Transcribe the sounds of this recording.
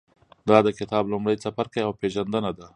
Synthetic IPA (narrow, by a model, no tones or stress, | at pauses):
d̪ɑd̪əkɪt̪ɑblʊmɽajsafaɾkajawpeʒand̪ənad̪a